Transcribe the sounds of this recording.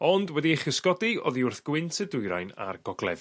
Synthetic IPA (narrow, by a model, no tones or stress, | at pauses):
ɔndwɛdieχəskɔdiɔðiʊrθɡ̥wɪntʰədʊjɾa̰jna̰rɡɔɡlˠɛ̰ð